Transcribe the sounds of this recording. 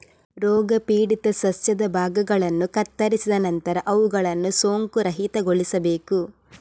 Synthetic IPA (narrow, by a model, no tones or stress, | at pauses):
ɾɔːɡɐpiːɽit̪ɐsɐsjɐd̪ɐbʱaːɡɐɡɐɭɐnːukɐt̪ːɐɾisid̪ɐnɐnt̪ɐɾɐʔɐʋuɡɐɭɐnːusoːŋkuɾɐɦit̪ɐɡoɭisɐbe̞ːku